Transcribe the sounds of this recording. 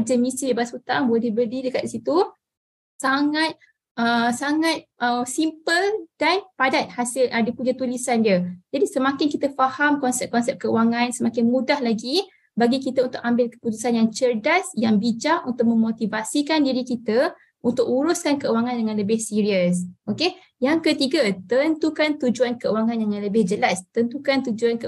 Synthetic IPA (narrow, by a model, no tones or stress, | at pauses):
d͡ʒəmistiibasut̪aŋboɛdlɛihbərdidəkat̪̚isit̪u | saŋat̪̚ | ʔəsaŋat̪̚ʔəsimpəld̥anpadat̪̚hasɪlʔədipuɲat̪ulisandiəd͡ʒadisəmakɪnkit̪əfahamkɔnsɛp̚kɔnsɛp̚kəuwaŋãnsəmakɪnmũdahlaɡi | baɡikit̪əunt̪ʊk̚ambɪlkə̥put̪usanjaŋt͡ʃərdasjaŋbid͡ʒaʔunt̪ʊk̚mə̃mot̪ivasikandiɾikit̪ə | unt̪ʊk̚uɾʊskankəuwaŋãndəŋãnləbɪhsiɾiəsʔoke | jaŋkət̪iɡat̪ənt̪ukant̪ud͡ʒuankəuwaŋãnjaŋãnləbɪhd͡ʒəlast̪ənt̪ukant̪ud͡ʒuankə